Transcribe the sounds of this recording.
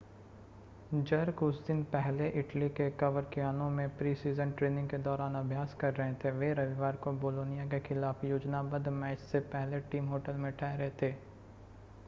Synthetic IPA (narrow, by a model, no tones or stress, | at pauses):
d͡ʒɐɾkʊsd̪ɪnpɛɦleʔɪʈlikekɐʋəɾkɪjaːnõmẽpɾiːsiːzənʈɾeːnɪ̃ŋɡked̪ɔːɾaːnɐbʱjaːskɐɾːɐɦẽt̪ʰeʋeɾɐʋɪʋaːɾkoboːloːnɪjak̬exʰɪlaːfjoːd͡ʒnabɐd̪mɛːt͡ʃsepɛɦleʈiːmɦoːʈəlmẽʈʰɛːɦɾɛɦet̪ʰeː